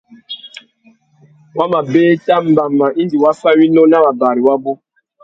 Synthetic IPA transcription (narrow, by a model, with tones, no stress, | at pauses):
wa˦ma˨beː˦ta˦m̩˦ba˨mːa˨i˦n˦di˨wa˦fa˦wi˦no˦na˦wa˨ba˨ɾi˨wa˦bo˦